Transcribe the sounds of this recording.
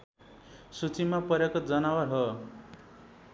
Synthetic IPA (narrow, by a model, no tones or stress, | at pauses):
sut͡simapʌɾjekod͡zʌnawʌrɦʌ